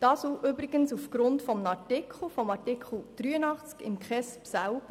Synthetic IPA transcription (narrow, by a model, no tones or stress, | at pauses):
d̥ɑːsoʔʏbɾɪɡənsufɡ̥ɾʊntfɔmnɑɹtɪkχl̩ˠfɔmɑɹtɪkχl̩ˠd̥ɾyːənɑχt͡skɪ̰mkχɛspsæʊb̥ə